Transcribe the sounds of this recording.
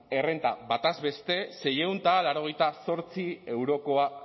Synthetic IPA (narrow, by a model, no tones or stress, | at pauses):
ere̞nt̪abat̪azβe̞st̪e̞se̞jeunt̪alaɾo̞ɣ̞e̞jt̪aso̞ɾt͡sie̞wɾo̞ko̞a